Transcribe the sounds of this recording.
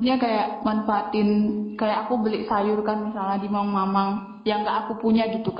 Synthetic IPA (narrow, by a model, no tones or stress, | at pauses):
ɲakajaʔmanfaat̪ɪnkajaʔakubəlɪʔsajʊrkanmisalahdimŋmamaŋ | jaŋɡaʔakupuɲaɡit̪uk